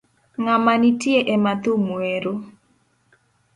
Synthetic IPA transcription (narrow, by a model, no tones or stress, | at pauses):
ŋamanitjeʔemat̪omweɾo